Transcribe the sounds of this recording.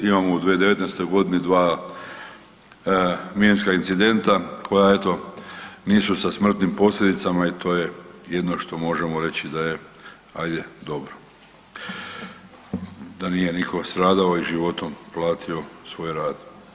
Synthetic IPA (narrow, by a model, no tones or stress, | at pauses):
imamo̞ud̪ʋied̪eʋe̞t̪nest̪o̞jɡo̞d̪inid̪ʋaː | mienskaint̪sid̪e̞nt̪akʰo̞jae̞t̪o̞niːsusasmr̩t̪nimpo̞slʲed̪it̪samait̪ʰo̞ːjeje̞d̪no̞ʃt̪o̞mo̞ʒe̞moɾe̞t͡ɕid̪aje̞ | ajd̪e̞d̪o̞bɾo | d̪anije̞nikʰo̞st̪ɾaːd̪ao̞iʒiʋo̞t̪o̞mplˠaːt̪ʰio̞sʋo̞ːjɾaːd̪̥